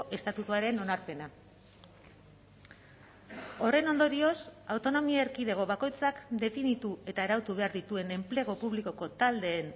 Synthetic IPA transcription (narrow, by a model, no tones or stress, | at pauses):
ʔe̞st̪at̪ut̪uaɾe̞no̞naɾpe̞na | o̞re̞no̞nd̪o̞ɾio̞sawt̪o̞no̞miaeɾkiðe̞ɣ̞o̞βako̞jt͡sakd̪e̞finit̪ue̞t̪aeɾawt̪uβ̞e̞aɾðit̪ue̞ne̞mpleɣ̞o̞puβliko̞ko̞t̪ald̪e̞ːn